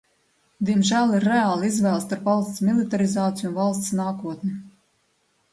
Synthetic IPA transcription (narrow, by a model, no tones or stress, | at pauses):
d̪iɛmʒæːlˠiɾːeaːlˠizvæːlˠst̪aɾpvalˠst̪smʲilˠit̪aɾizaːt̪ijunvalˠst̪snaːkuɔt̪nʲi